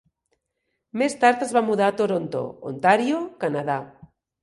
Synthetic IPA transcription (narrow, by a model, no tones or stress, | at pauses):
mest̪aɾt̪azβamuðat̪oɾont̪o̰o̰nt̪aɾjokanað̞a